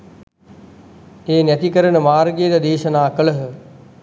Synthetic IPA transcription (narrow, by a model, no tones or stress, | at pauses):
eːnjɐt̪ikəɾənə̆maːɾɡed̪ɐd̪eːʃənaːkəɭəɦə